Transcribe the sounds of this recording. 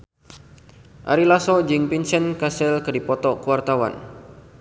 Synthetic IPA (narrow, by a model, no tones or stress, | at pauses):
ʔa̰ɾilasɔd͡ʒɨŋpinsɛnkasɛlkɨdipɔt̪ɔkuwart̪awa̰n